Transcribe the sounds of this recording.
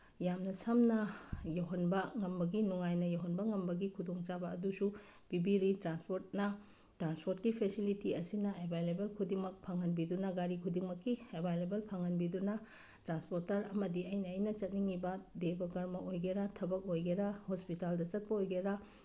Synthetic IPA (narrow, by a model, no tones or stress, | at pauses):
jamnɐsɐmnɐjɐwɦɐnbɐŋɐmbɐɡinuŋajnɐjɐwɦɐnbɐŋɐmbɐɡikʰudoŋt͡ʃabɐːdusu | b̥ibiɾitɾanspoɾt̚nɐ | tɾanspoɾt̚kipʰesilitiɐsinɐebʱajlebelkʰudiŋmɐk̚pʰaŋɐnbidunɐɡaɾikʰudiŋmɐkːiebʱajlebelpʰaŋɐnbidunɐ | tɾanspoɾtɐɾɐmɐdiɐjnɐːjnɐt͡ʃɐt̚niŋibɐdebɐɡɐɾmɐojɡeɾatʰɐbɐk̚ojɡeɾahospitaldɐt͡ʃɐt̚pɐojɡeɾa